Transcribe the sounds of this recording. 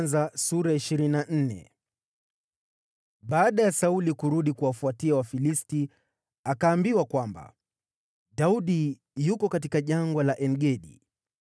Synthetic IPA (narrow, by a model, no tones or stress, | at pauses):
nzasuɾaiʃiɾinan̩nɛ̰ | ɓaːɗajasaulikuɾuɗikuwafuatiawafilisti | akaːmbiwakwamba̰ | dauɗi | jukɔkat̬ikaʄaŋɡɔlaʔɛnɡɛɗḭ